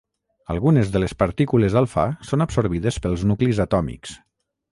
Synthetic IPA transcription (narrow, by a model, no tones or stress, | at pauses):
ə̰lˠɣunezðəlespaɾt̪ikulezalˠfa̰sonapsoɾβiðespəlˠznuklizat̪ɔmḭks